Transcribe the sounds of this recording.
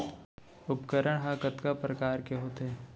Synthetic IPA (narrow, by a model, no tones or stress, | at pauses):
ʊpkəɾəɽ̃ɦakət̪kapɾɐkaːɾkeɦoːt̪ɦɛː